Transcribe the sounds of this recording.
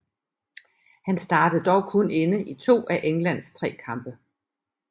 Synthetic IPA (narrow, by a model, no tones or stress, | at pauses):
hænsd̥ɑ̈ːd̥əð̩ˠd̥ɒʊkʰɔ̽nenəʔit͡sʰo̝̰ːʔæʔeŋlæn̰st͡sʰʁɛ̰ːkʰɑ̈mb̥ə